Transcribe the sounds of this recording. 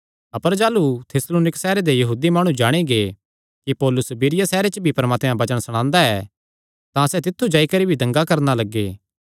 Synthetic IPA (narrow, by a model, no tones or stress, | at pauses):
ɐpəɾd͡ʒaːlut̪ʰeːsloːnɪksɛːɾed̪ejɐɦuːd̪imaːɽ̃ũd͡ʒaːɽ̃iɡe | kipɔːlʊsbiːɾɪjasɛːɾet͡ʃəbʱipɐɾmaːt̪jãbɐt͡ʃəɽ̃sɐɽ̃ãːnd̪aɛː | t̪ãsɛt̪ɪt̪ʰːud͡ʒaːikɐɾibʱid̪ɐ̃ŋɡakɐɾnalɐɡːḛː